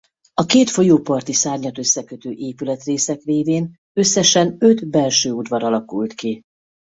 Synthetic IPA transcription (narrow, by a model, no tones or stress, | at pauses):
ɒkeːt̪fo̞joːpɒrt̪isaːrɲɒt̪ø̞sːɛkø̞t̪øːʔeːpylɛt̪reːsɛkreːveːn | ø̞sːɛʃɛnø̞d̪bɛlʃøːud̪vɒɾɒlɒkult̪ki